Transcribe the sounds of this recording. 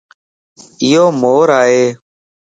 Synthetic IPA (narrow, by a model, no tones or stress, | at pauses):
ɪjoːmoːɾaːɦeː